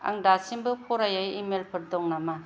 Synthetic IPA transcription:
a̰ŋdasimbɯpʰɔɾajajimelpʰɯɾ̚dɔŋnama

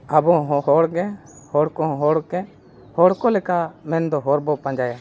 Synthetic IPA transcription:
abɔɦɔɦɔɽɡɛ̃ | hɔɽkɔɦɔɽɡɛ̃ | hɔɽkɔlɛkamɛnd̪ɔɦɔɾbɔpãɲd͡ʒaja

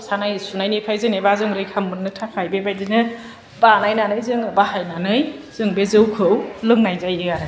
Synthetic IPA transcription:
sanajsunajnɯjpʰajzɯnebazɯŋɾɯjkʰambɯnnɯtʰapʰajbebajdinɯ | banajnanɯjzɯŋbahajnanɯjz̥ɯŋbezɯwkʰɯwlɯŋnajzajɯaɾɯ

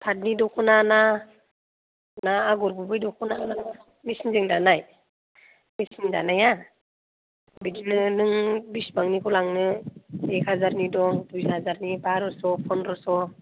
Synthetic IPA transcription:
pʰat̚nidɔkʰɔnana | naːɡɔɾbubɯjdɔkʰɔnana | misinzeŋdanaj | misinda̰naja | bidinɯnɯŋbisbaŋnikʰɔlaŋnɯekhazaɾnidɔŋdushazaɾnibaɾɔsɔpʰɔnɾɔsɔ

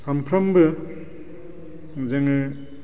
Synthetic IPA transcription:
sampʰɾɐmbɯ | zeŋɯ

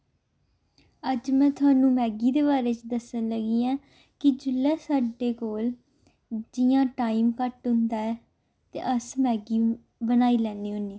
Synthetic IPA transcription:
əd͡ʒmɛ̃ːt̪ʰʊaːnũːmɛːɡiːd̪eːbaːɾeːt͡ʃd̪əsənləɡiːãː | kɪd͡ʒʊlːɛːsaːɖeːkoːl | d͡ʒɪjãːʈaːiːmkəʈɦʊ̃nd̪aːɛː | t̪ḛːʔəsmɛːɡiː | bənaːiːlɛːneːɦʊneː

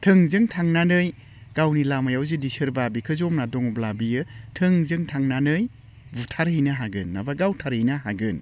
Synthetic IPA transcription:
tʰɯŋzɯŋtʰaŋnanɯj | ɡ̥awnilamajawzidisɯɾbabikʰɯzɔmnadɔŋɔblabijɯtʰɯŋzɯŋtʰaŋnanɯj | butʰaɾɦɯjnɐɦaɡɯnːa̰baɡawtʰaɾhɯjnaɦaɡɯn

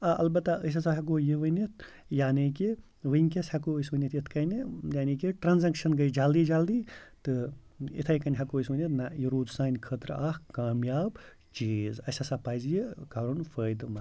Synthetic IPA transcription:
ɐɐ̰lbɐt̪ːaəs̬ɐsaɦɐk̬ojiʋɐnʲit̪̚ʰ | jaːniki | ʋɨnʲk̬ʲɐsʲhɐkoəsʋɐnʲit̪it̪ʰkɐnijaːnikiʈɾɐnzɐŋkʃɐnɡɐjd͡ʒaːld̪iːd͡ʒaːld̪iːt̪ɨ | ḭt̪ʰɐjkɐnʲɦɐkoəsʋɐnʲɐt̪najiɾuːd̪saːnʲkʰəːt̪ɾaːhkaːmjaːb | t͡ʃiːzɐ̰sʲɐsapaːjzjikɐɾunfəːjd̪mɐ

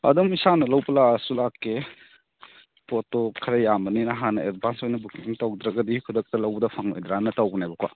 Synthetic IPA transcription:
ɐ̰dumisanɐlɐwpɐlasulakːe | potokʰɐɾɐjamɐninɐɦanɐedbʱansojnɐbukimtɐwdɾɐɡɐdikʰudɐk̚tɐlɐwbɐdɐpʰaŋlo̰jd̪ɾanɐtawbɐnajbɐkwa̰

